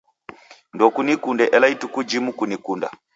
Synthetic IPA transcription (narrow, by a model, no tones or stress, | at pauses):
ndɔkunikundɛʔɛlaitukud͡ʒimukunikunda̰